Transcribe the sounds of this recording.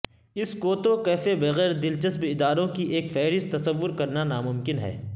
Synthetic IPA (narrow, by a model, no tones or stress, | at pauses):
ɪskoːt̪okɛːfebɐɣɛːɾd̪ɪlt͡ʃɐsbɪd̪aːɾõkiʔeːkfɛːɾɪst̪ɐsɐʋːʊɾkɐɾnanaːmʊmkɪnɦɛ̰ː